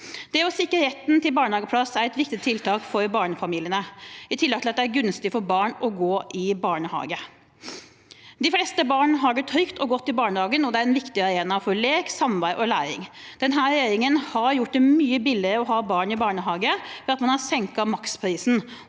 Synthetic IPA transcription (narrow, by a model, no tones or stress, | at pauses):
d̪̥ɛɔsɪkːəɾɛt̪nt̪ʰɪlbɑːɳəhɑːɡəpʰlɑsæɾɛt̪ʋɪk̚t̪ɪt̪ʰːɪlt̪ʰɑːkfɔɾbɑːɳəfɑmiːlɪənəɪt̪ʰɪlːəɡt̪ɪɑt̪d̪ɛæɾɡʉnst̪ɪfɔɾbɑːɳɔɡoːʔɪbɑːɳəhɑ̰ːɡə | d̪ɪflɛst̪əbɑːɳəɦɑɡəʈʰœʏkt̪ʰɔɡɔt̪ːɪbɑːɳəhɑːɡənɔd̪ɛæɾɛnʋɪkt̪ɪɑɾeːnɑfɔɾɭeːksɑmʋæɪʔɔlæːɾɪ̰ŋ | d̪ɛnɦæːɾjeːɾɪŋənhɑɾjʊʈ̚ːd̪ɛmyːəbɪlːɪɾəɔɦɑːbɑːɳɪbɑːɳəɦɑːɡəfɔɑt̪mɑnhɑsɛŋkɑmɑkspʰɾiːsn̩